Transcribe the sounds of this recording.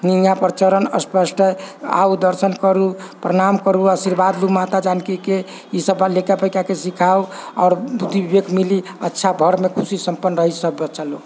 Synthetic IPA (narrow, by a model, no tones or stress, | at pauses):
niŋjapɾt͡ʃəɾənəspəsʈʰəa̰ud̪əɾsənkəɾupɾəɾamkəɾuəsiɾbad̪lumat̪ad͡ʒankike | isəbalekapəkakesikʰauɔ̰ɾbud̪ʱːibibeɡmili | ətːʃʰabʱəɾmekʰusisəmpənːɾəɦisəbːət͡ʃʰalo